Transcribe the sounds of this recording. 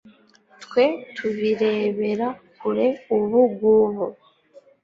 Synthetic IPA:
tkwe̞tʰuβiɾe̞ːβe̞ɾakuɾe̞uβuɡuβo

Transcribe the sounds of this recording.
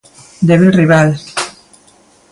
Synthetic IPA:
d̪eβilriβal

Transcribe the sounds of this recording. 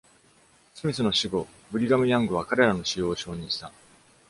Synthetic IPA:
sɨmʲisɨno̞ɕiɡo̞ | bɯ̟ɾʲiɡamɯ̟jãŋɡɯ̟β̞akaɾe̞ɾano̞ɕijo̞ːɕo̞ːɲ̟ĩɕi̥t̪a

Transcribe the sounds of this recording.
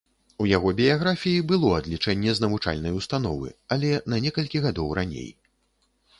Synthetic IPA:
ujaɣɔbʲijaɣɾafʲijibɨlˠɔad̪lʲit͡ʂɛnʲːɛznɐvut͡ʂa̰lʲnɐjust̪an̪ɔvɨ̰ɐlʲɛnɐnʲɛkɐlʲkʲiɣad̪ɔwɾʔanʲḛj

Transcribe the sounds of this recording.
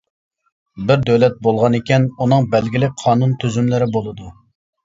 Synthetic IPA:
bɪɾd̪øwlɛt̪̚bolˠʁɑnekʲɛnunɨŋbɛlɡʲilɪk̚ʲqʰɑːnunt̪ʰyzymlɪɾɪbolˠɨd̪u

